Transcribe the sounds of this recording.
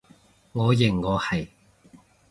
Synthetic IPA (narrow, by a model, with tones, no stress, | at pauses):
ŋɔː˨˧jɪ˨˩ŋːɔː˨˧hɐ˨˩j